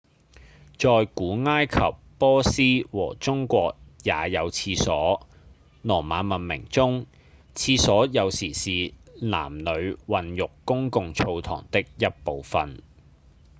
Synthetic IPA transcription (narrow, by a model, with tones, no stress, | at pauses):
t͡ʃɔː˧jkuː˨˥ŋaː˥jkʰɐ̰˨pːɔː˥siː˥wɔː˨˩t͡sʊ˥ŋkʷɔː˧k̚jaː˨˧jɐ˨˧wt͡sʰiː˧sɔː˨˥ | nɔː˨˩maː˨˥mɐ˨nmɪ̰˨˩ŋt͡sʊ˥ŋ | t͡sʰiː˧sɔː˨˥jɐ˨˧wsiː˨˩siː˨la̰ː˨˩mnɵ˨˧ɥwɐ˨njʊ˨kkːʊ˥ŋkʊ˨ŋt͡sʰo˧wt̪ʰɔ̰ː˨˩ŋt̪ɪ˥k̚jɐ˥t̚po˨wfɐ˨˧n